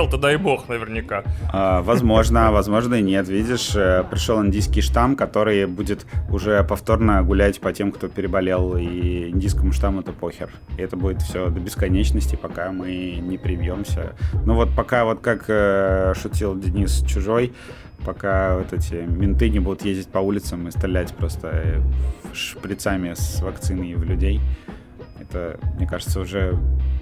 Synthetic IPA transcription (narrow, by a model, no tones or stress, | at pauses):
lˠt̪əd̪ajbo̞xnəvʲɪrnʲɪkaavɐzmo̞ʐnəvɐzmo̞ʐnənʲe̞t̪vʲidʲɪʂəpɾʲɪʂolˠɪnʲdʲijskʲɪjʂt̪amkɐt̪o̞ɾɨjbudʲɪt̪ʊʐɛpɐft̪o̞rnəɡʊlʲætʲpɐtʲe̞mkt̪o̞pʲɪɾʲɪbɐlʲelˠiɪnʲdʲijskəmʊʂt̪amʊɛt̪əpo̞xʲɪ̰r | ɪɛt̪əbudʲɪt̪fsʲod̪əbʲɪskɐnʲet͡ɕnəsʲtʲɪpɐkamɨnʲɪpɾʲɪmʲjo̞msʲə̰novo̞t̪̚pɐkavo̞t̪kakəʂʊtʲilˠdʲɪnʲist͡ɕʊʐo̞j | pɐkavɛt̪ɛtʲɪmʲɪnt̪ɨnʲɪbud̪ʊt̪jezʲdʲɪt̚ʲpɐulʲɪt̪səmɨst̪ʲɪlʲætʲpɾo̞st̪ə | ʂpɾʲɪt̪samʲɪsvɐkt̪sɨnɨvlʲʉdʲej | ɛt̪əmnʲekaʐɨt̪səʊʐɛ